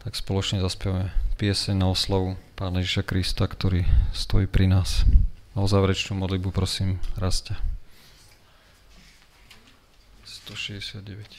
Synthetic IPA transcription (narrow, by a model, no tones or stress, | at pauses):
t̪akspɔlɔt͡ʃɲɛzaspɛʋamɛpɪɛsɛɲnaɔslaʋupaːnajɛʒiʃakɾist̪akt̪ɔɾiːst̪ɔjiːpɾinaːsaɔzaːʋɾɛt͡ʃnuːmɔd̪lid̪̚bupɾɔsiːmɾasca | st̪ɔʃɛzɟɛsɪad̪̚ɟɛʋɛc